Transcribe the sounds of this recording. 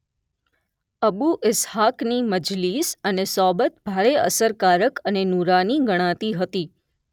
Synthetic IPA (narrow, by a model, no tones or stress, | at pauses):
əbuʔɪshakniməd͡ʒlisənesɔbət̪bʱaɾeə̰səɾkaɾəkənenuɾaniɡəɽ̃ãt̪iɦət̪i